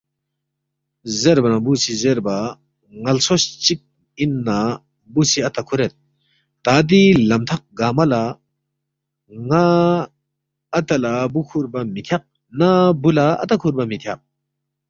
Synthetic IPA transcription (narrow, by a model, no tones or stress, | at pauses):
zeɾbanabusizeɾba | ŋɐlsɔst͡ʃik̚ | inːa | busiɐt̪akʰuɾɛt̪̚ː | ad̪ilɐmt̪ʰak̚ɡamɐla | ŋa | t̪alabukʰuɾbamit̪ʰjak̚ | nabulaɐ̰t̪akʰuɾbamit̪ʰjak̚